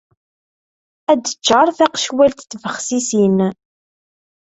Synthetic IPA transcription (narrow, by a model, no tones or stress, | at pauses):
æd̪ət͡ʃːəɾˤθæqʃwælt̪θvəχsisin